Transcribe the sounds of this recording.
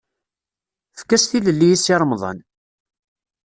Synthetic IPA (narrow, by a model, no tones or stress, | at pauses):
fkːæsθiləlːijisɑɾˤmðˤɑ̰n